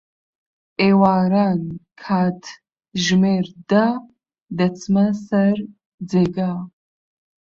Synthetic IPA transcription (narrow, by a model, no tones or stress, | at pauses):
ewaːɾankʰaːtʰ | ʒmeɾd̪a | d̪ɐt͡sʰmɐsɐr | d͡zeɡa